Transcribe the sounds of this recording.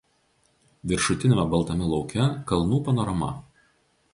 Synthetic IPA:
ʋʲɪɾʃʊt̪ʲɪnʲmʲɛbɐlˠt̪ɐmʲɪlˠɒʊkʲɛkɐlˠnuːpɐnɔːɾɐmɐ̰

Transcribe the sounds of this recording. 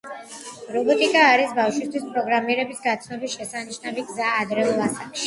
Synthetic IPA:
ɾɔbɔt̪ʼikʼaːɾisbafʃwist̪ʰwispʼɾɔɡɾamiɛɾɛbisɡat̪sʰnɔbisʃɛsaniʃnaviɡzaːd̪ɾɛulˠasakʃi̥

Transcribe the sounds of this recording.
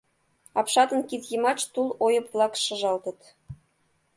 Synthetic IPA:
ɑpʃɑt̪ə̆nkit̪jəmɑt͡ʃt̪ulojə̆pβlˠɑkʃɤ̆ʒɑlt̪ə̆t̪

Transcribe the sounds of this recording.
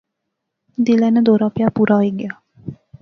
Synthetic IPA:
d̪ilɛnəd̪oːɾaːpjaːpuɾaːiɡejaː

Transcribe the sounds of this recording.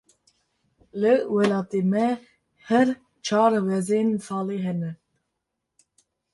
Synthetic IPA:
lɨwɛlɑːt̪eːmɛ | hɛɾ | t͡ʃʰɑːɾwɛzensɑːleɦɛnɛ

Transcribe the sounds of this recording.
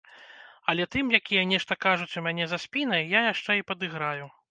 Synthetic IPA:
ɐlʲɛt̪ɨmjakʲijɛnʲɛʂt̪ɐkaʐut͡sʲumʲanʲɛzɐsʲpʲin̪ɐjjajaʂt͡ʂɛipɐd̪ɨɣɾaju

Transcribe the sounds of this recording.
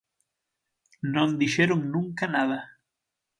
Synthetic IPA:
nõnd̪iʃeɾoŋnũŋkanaðɐ

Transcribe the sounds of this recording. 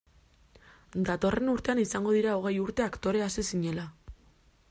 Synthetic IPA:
d̪at̪o̞re̞nuɾt̪e̞anisaŋɡo̞ð̞iɾao̞ɣ̞e̞juɾt̪e̞akt̪o̞ɾe̞asisiɲe̞la

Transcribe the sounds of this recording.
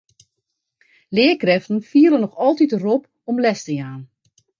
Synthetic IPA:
lɪːəkrɛftən̩fiələnɔxɔlˠtitərɔp | ɔmlɛstəjaːn

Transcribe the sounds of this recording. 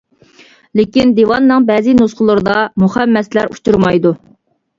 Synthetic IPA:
lɪkʲind̪ewɑnːɨŋbɛːzɪnusqəlˠɨɾɨd̪ɑmuχɛmːɛslæɾut͡ʃuɾmɑjd̪u

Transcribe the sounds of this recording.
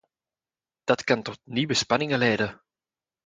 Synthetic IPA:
d̥ɑtkɑntɔtniʋəspɑnɪŋəlɛjdə

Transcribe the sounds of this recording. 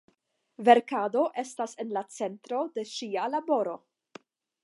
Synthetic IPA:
ve̞ɾkado̞ʔe̞stase̞nlat͡se̞ntɾo̞de̞ʃialabo̞ɾo̞

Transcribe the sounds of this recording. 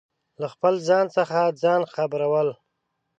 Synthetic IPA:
laxpəlzɑnsəxad͡zɑnxabɾawəl

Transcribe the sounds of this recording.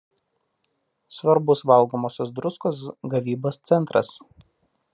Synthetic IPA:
sʋɐɾbʊsʋɐlˠˑɡoːmoːsʲosd̪ɾʊskoːsɡɐʋʲiːboːst̪sʲɛnˑt̪ɾɐ̰s

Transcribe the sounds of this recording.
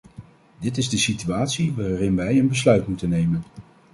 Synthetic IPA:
dɪtɪzdəsityaːtsiʋaːrɪnʋɛjənbəslœɥtmutənːejmən

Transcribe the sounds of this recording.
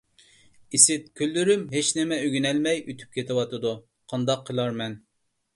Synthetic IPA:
isɪt̪̚kʲʰølːyɾymɦet͡ʃnɪmɛøɡʲynɛlmɛjyt̪ʰy̥p̚kʲʰet̪ɪwɑt̪ʰɨd̪u | qʰɑnd̪ɑqʰːəlˠɑɾmɛn

